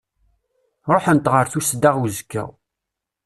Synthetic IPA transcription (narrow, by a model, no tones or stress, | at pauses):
ɾˤoħənt̪ʁəɾθusd̪aʁwzəkːə̰